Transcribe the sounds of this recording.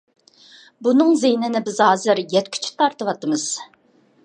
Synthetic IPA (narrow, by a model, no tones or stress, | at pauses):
bunɨŋzejnɪnɪbɪzɦɑːzɨɾjɛt̪kʲʰy̥t͡ʃʰy̥t̪ʰɑɾt̪ɨwɑt̪ɨmɨz̥